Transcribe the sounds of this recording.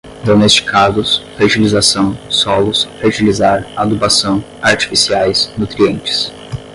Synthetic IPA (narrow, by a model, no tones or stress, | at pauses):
d̪onest͡ʃi̥kʰazʊsfeɾt͡ʃilizasɐ̃w̃sɔlʊsfet͡ʃilizaɾad̪ubasɐ̃w̃ | aɾt͡ʃi̥fisiajsnut̪ɾiẽnt͡ʃɪ̥s